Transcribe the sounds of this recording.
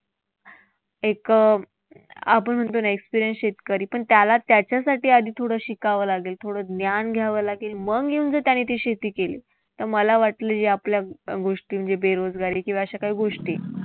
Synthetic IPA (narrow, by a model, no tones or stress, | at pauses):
ekə | a̰pəɳm̤əɳt̪onaekspiɾijənsɕet̪kəɾiːpəɳt̪jalat̪jat͡ɕjasaʈiːad̪ʱiːt̪ʰoɽəːɕikaʋəlaɡelt̪ʰoɽəd̪njanɡʱjaʋəlaɡelməɡɡeund͡zət̪janːit̪eɕet̪iːkelḭː | t̪əɾməlaʋaʈləːd͡ʑeapljaɡoʂʈiːm̤əɳd͡zebeɾod͡zɡaɾiːkĩwʋaɕakaɦiːɡoʂʈiː